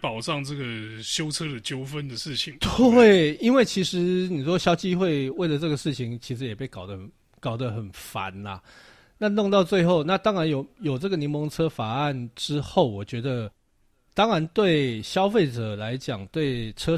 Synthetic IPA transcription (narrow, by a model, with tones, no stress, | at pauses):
pɑ˨˩ʊʈ͡ʂɑ˥˧ŋʈ͡ʂɤ˥˩ɡə˩ | ɕjo˥ʊt͡sʰɤ˥d̪ə˨t͡ɕjo˥ʊfə˦nd̪ə˨ʂɻ̩˥˩t͡ɕʰi˨˩˦ŋt̪we˥˨˩ɪi˥nwe˥˩ɪt͡ɕʰi˧˥ʂɻ̩˧˥ni˨˩ʂwɔ˥ɕjɑ˥ʊt͡ɕi˥xwe˥˧ɪwe˥˩ɪlə˩ʈ͡ʂɤ˥˩ɡə˩ʂɻ̩˥˩t͡ɕʰi˨˩ŋt͡ɕʰi˧˥ʂɻ̩˧˦jɛ˨˩pe˥˩ɪkɑ˨˩ʊd̪ə˦ə˨˩n | kɑ˨˩ʊd̪ə˦xə˨˩nfa̰˨˦nɐ˨ | na˥˧nʊ˥˧ŋt̪ɑ˥˧ʊt͡swe˥˧ɪxo˥˨˧ʊna˥˨t̪ɑ˥ŋɻa˧˦njo˨˩ʊjo˨˩ʊʈ͡ʂɤ˥˩ɡə˩ni˧˥nmɔ˧˥ŋt͡sʰɤ˥fa˨˩a˥˨˩nʈ͡ʂɻ̩˦˥xo˥˩ʊwɔ˨˩t͡ɕɥɛ˧˥d̪ə˧ | t̪ɑ˥ŋɻa˧˦nt̪we˥˩ɪɕjɑ˥ʊfe˥˩ɪʈ͡ʂə˨˩la˧˦ɪt͡ɕjɑ̰˨˩ŋt̪we˥˩ɪʈ͡ʂʰɤ˥